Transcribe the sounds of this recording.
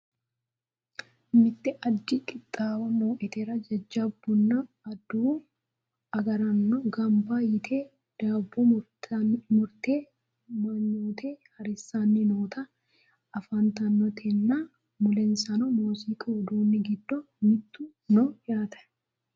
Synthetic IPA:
mɪt̪ːɪʔɐdːɪkʼɪt̪ʼːaːwɐmoːʔɪt̪eːɾɐd͡ʒɐd͡ʒːɐbːʊnːɐ | ɐd̪uː | ɐɡɐɾɐnːɔɡɐmbaːjɪt̪ʰeː | d̪̥aːbːɔʊ | mʊɾt̪eː | mɐɲːuːt̪ʰeːhɐɾɪsːaːnːɪnoːt̪ɐ | ʔɐfɐnt̪ɐnːɔt̪ʰenːa | mʊlɛnsɐnɔmoːsiːkʼɐd̪uːnːɪɡɪd̪ːɔ | mɪt̪ːu | nojaːt̪ʰɐ̥

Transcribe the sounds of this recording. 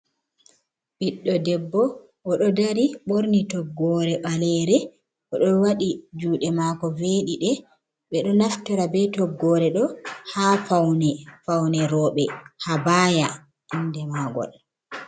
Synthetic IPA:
biɗːɔdɛbːɔ | ʔɔɗɔdaɾiɓoɾnitɔɡːɔɾɛɓalɛɾɛ | ʔɔɗɔwaɗid͡ʒuːɗɛmakɔveːɗiɗɛ | ɓɛɗɔnaftɔɾabɛtɔɡːɔɾɛɗɔhaːfawnɛfawnɛɾɔːɓɛhabaːja | ʔindɛmaɡɔ̰l

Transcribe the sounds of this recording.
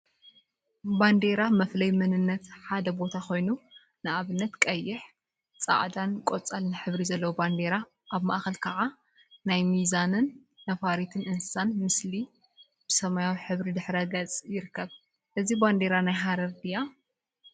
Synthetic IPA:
band̪e̞ɾamɐflɐjmɨnɨnːɐt̪ħad̪ɐbo̞t̪ʰaxo̞jnu | nɨʔaβɨnːɐt̪kʼɐjːɪħ | t͡sʼa̰ʕd̪ankʼot͡sʼalnɨħɨβɾizɐlːɐwoband̪e̞ɾa | ʔaβma̰ʔxɐlkʰɐʕa | najmizanɨnː | ɐfaɾit̪ʰɨnɨnssanmɨsli | b̥ɨsɐmajawiħɨβɾid̪ɨħɾɐɡɐt͡sʼjɪɾɨkʰːɐβ | ʔɨziband̪e̞ɾanajɦaɾɐɾd̪ija

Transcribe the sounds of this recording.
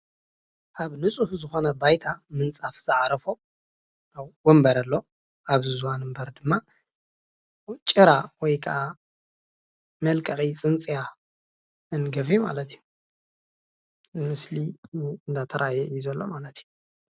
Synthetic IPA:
ʔaβnɨt͡sʼufzɨxo̞nɐbajt̪ʰamɨnt͡sʼafz̥ɨʕɾɐfo | awwɔmbɐɾɐlːo̞ | aβzɨzwanɨmbɐɾd̪ɨmːa | t͡ʃʼɨɾawɔjkʰɐʔa | mɐlkʼɐχʼit͡sʼɨnt͡sʼija | ɨnɡɐfjuma̰lɐt̪iju | mɨsliɨnd̪at̪ʰɐɾajɛjuzɐlːo̰malɐt̪ju

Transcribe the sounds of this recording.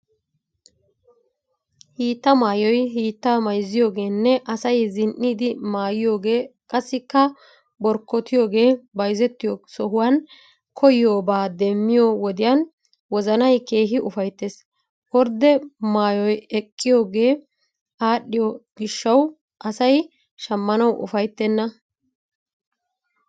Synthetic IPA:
hiːt̪ːɐmaːjɔjɦiːt̪ːaːmɐjzːɪjo̞ːɡe̞ːnːɛʔɐsɐjzɪnʔːiːd̪ɪmaːjɪjo̞ːɡe̞ːkʼɐsːɪkːɐ | bɔɾkːɔt̪ɪjo̞ːɡe̞ːbɐjzɛt̪ːɪjoːsɔɦʊwaːn | kʰɔjɪjo̞ːbaːd̪ɛmːɪjowɔd̪ɪjan | wɔzɐnɐjke̞ːɦɪʔʊfɐjt̪ːeːs | wɔɾd̪ɛmaːjɔjɛkʼːɪjo̞ːɡe̞ː | aːɗːɪjoɡɪʃːɐw | ʔɐsɐj | ʃɐmːɐnɐwʔʊ̰fɐjt̪ːɛnːɐ

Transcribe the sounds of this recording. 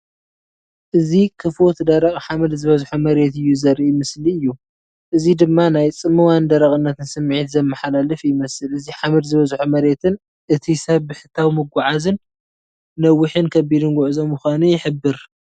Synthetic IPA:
ʔɨzikʰɨflot̪d̪ɐɾɐkʼħamɨd̪zɨβɐzħumɐɾe̞t̪ɨjːuzɐɾiʔjmɨsliɨjːu | ʔɨzid̪ɨmːanajt͡sʼɨmːɨwand̪ɐɾɐkʼɨnːɐt̪ɨnsɨmːʕit̪zɐmːɐħalalɨfjɪmɐsɨlɨziħamɨd̪zɨβɐzħumɐɾe̞t̪ʰɨn | ʔɨt̪ʰisɐβːɨħɨt̪ʰːawmɨɡʷaʕazɨnː | ɐwːɨħɨnkʰɐbid̪ɨnɡʷʊʕɨzo̞mːɨxʷanujɪħɨbːɨɾ

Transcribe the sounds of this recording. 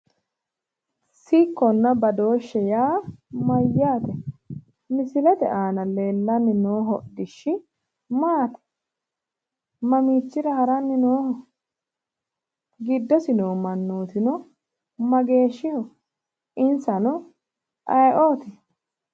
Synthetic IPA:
siːkːɔnːɐbɐd̪o̞ːʃːɛjaːmɐjːaːt̪ɛ | mɪsɪlɛt̪ɛʔaːnɐle̞ːlːɐnːɪnoːɦɔd̪ɪʃːɪ | maːt̪ɛ̥ | mɐmiːt͡ʃːɪɾɐhɐɾɐnːɪnoːhɔ | ɡɪd̪ːɔsɪnoːmɐnːuːt̪ɪnɔ | mɐɡe̞ːʃːɪhɔ | ɪnsɐnɔ | ʔɐjʔoːt̪ɛ

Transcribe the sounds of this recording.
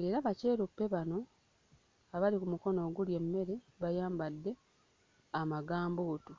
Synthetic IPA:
e̞ɾaβace̞ːɾupːe̞βano̞ | aβalikumuko̞no̞ːɡulje̞mːe̞ɾe̞ | βajaːmbadːe̞ | amaɡaːmboːtu

